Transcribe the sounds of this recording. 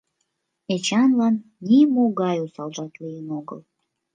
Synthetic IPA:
et͡ɕɑnlɑnːimoɣɑjusɑlʒɑt̪lijənoɣə̰l

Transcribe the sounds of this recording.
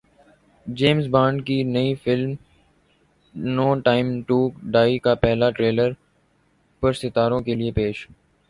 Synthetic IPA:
d͡ʒeːmzbãːɳɖkinɐifɪlm | noːʈaːɪmʈuːkɖaːikapɛɦlaʈɾeːləɾ | pɐɾsɪt̪aːɾõkeliepeːʃ

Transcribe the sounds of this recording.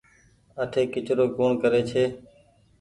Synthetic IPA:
əʈʰeːkɪt͡ʃɾoːkoːɳkəɾeːt͡ʃʰeː

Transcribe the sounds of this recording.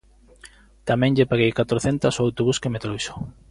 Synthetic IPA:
t̪amɛ̃ŋʎepaɣejkat̪ɾoθent̪asoawt̪oβuskemet̪ɾojso̥

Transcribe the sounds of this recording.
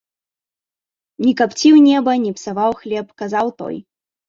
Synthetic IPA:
nʲikapt͡sʲiwnʲɛbɐnʲipsavawxlʲɛpkazawt̪ɔ̰j

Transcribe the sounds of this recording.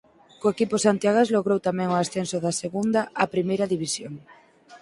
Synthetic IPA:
koekipʊsant̪jaɣazloɣɾowt̪amɛ̃ŋʊasθensʊðaseɣund̪ɐapɾimejɾɐðiβisjoŋ

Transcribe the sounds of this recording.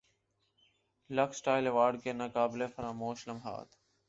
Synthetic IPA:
ləksʈaːɪleʋaːɾɖkeːnɐkaːbleːfəɾaːmoːʃləmɦa̰ːt̪ʰ

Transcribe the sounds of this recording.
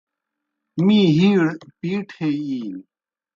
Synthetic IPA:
mĩːɦiːɽpiːʈʰeːiːn

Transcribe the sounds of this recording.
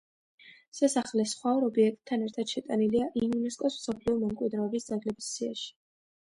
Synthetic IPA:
sasaχlɛsχwaɔɾɔbiɛk̚t̪̚ʼʰːanɛɾt̪ʰad̪̥ʃɛt̪ʼaniliaʔiunɛskʼɔsmsɔpʰliɔmɛmkʼwid̪ɾɛɔbisd̪zaɡlɛbisːia̰ʃi̥

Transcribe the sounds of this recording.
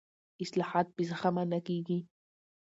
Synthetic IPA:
islaħaːt̪̚pisaχamanakiɡi

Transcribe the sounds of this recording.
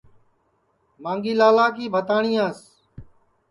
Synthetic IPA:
mãːŋɡiːlaːlaːkiːbʱət̪aːɳiːaːs

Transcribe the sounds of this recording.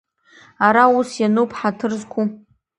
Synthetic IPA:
aɾausjanupʰħatʰɨrzkʰʷu

